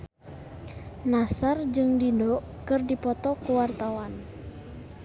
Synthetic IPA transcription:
nasard͡ʒɨŋdidɔ | kɨrdipɔt̪ɔkuwart̪awan

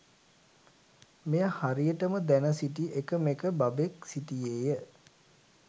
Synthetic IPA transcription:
mejahaɾijəʈəməd̪ænəsiʈiʔekəmekəbabeksiʈijeːjə

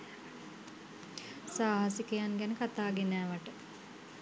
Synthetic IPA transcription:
saːɦasikejanɡænəkat̪aːɡenæːʋaʈə

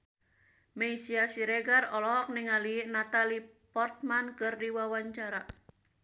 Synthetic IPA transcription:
meisiasiɾeɡarɔlɔɦɔk̚nɪŋaliʔnat̪ali | pɔrt̪̚mankɨrdiwawaɲt͡ʃaɾa

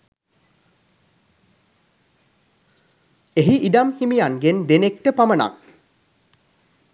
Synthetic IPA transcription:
eɦiʔiɖamhimijaŋɡend̪enekʈəpaməna̰k

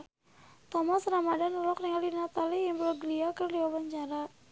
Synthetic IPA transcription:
t̪ɔmasɾamadanulɔkriŋalinat̪alijaŋbəlɔɡliakərdiwabaɲt͡ʃaɾa

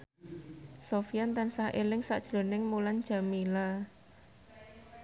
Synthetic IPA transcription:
sofijant̪ansahʔelɪŋsa̰ʔd̥ʒ̥lo̤nɪŋmulan̥d͡ʒ̥a̤mila

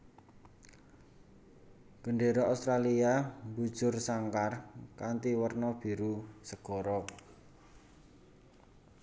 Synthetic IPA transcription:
ɡ̥əɳɖeɾɔaust̪ɾaliambud̥ʒ̥ʊrsaŋkarkant̪iwərnɔb̥i̤ɾusəɡ̥ɔ̤ɾɔ

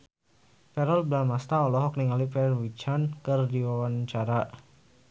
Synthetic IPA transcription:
pɛɾɔlblalmast̪aɔlɔɦɔk̚niŋalipɛrwit͡ʃankərdiwawant͡ʃaɾa

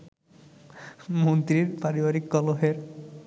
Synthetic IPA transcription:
munt̪ɾiɹpaɾibaɾikːɔloɦeɾ

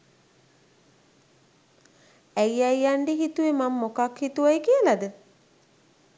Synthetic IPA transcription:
æjajaɳɖeɦit̪uʋemamːokakhit̪uajkiəlad̪ə

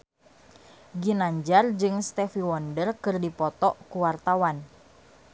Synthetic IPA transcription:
ɡinaɲd͡ʒard͡ʒɨŋst̪ɛfiwɔndərkɨrdipɔt̪ɔʔkuwart̪awan

